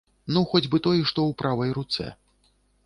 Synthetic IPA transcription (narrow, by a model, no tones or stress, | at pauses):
nuxɔd͡zʲbɨt̪ɔjɛʂt̪ɔwpɾʔavɐjɾut̪sɛ̰